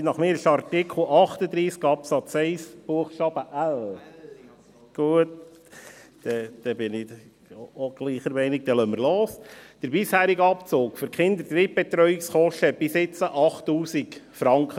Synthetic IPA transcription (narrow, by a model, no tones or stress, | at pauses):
nɑχmɪːɾɪʃɑɾtɪkʰl̩ɑχt̪əd̪ɾiːskɑpsɑt͡sɛɪsb̥uəχʃɑb̥əʔæl | ɡ̥uət | d̪̥ɛd̥̪ɛbɪnɪ | oɡ̥liːχəɾmɛɪnɪk̚d̥̪ɛlœməɾloːsd̥əɾbɪshæːɾiɡəɑpt͡soːkføɾkχɪnd̪ət̪ɾip̚b̥ɛt̪ɾœʏɪksχɔʃtəb̥ɪsɪt͡səʔɑχtːuːsikfɾɑŋkχə